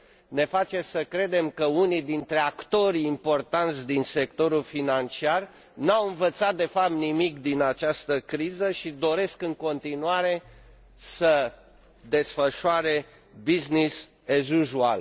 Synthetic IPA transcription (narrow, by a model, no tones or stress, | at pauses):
ne̞fat͡ʃe̞səkɾe̞d̪e̞mkəunid̪int̪ɾe̞akt̪o̞ɾiːmpo̞rt̪ant̪sʲd̪inse̞kt̪o̞ɾulfinant͡ʃiar | nawɨnvət̪sat̪̚d̪e̞fap̚t̪nimikd̪inat͡ʃast̪əkɾizəʃid̪o̞ɾe̞skɨŋko̞nt̪inuaɾe̞ | sə | d̪e̞sfəʃuaɾe̞ | biznis | eʒuʒua̰l